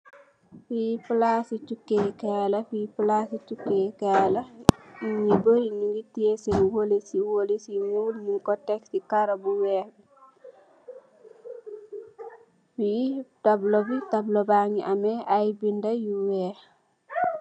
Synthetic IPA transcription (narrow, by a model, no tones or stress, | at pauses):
fiplasitukːekɛlɐfiplasitukːekɛlɐ | ɲiboiɲiɡitːiesɛnwolesiwolesimulmikɔtɛkːikaɾɐbuwɛːbi | fidablobitɐblɔbaŋiʔamɛʔajbindɐjuwɛ